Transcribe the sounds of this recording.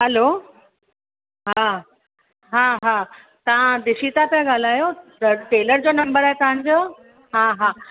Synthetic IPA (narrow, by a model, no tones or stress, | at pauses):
ɦəlo | ɦã | ɦãɦã | t̪ɐʋãd̪ɪsit̪at̪ãɡaːl̤aːjoəʈeːləɾd͡ʑoːnɐmbəɾaːɦet̪ɐɦãɲd͡ʑoː | ɦãɦã